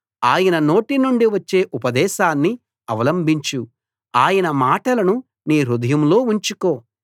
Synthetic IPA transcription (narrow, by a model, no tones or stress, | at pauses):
aːjɐnɐno̞ːʈinuɳɖiʋɐt͡ʃːe̞ːʔupɐd̪ɛːʃaːnːi | ɐʋɐlɐmbʱiɲt͡ʃu | aːjɐnɐmaːʈɐlɐnu | niːɾud̪ɐjɐmlo̞ːuɲt͡ʃuko̞ː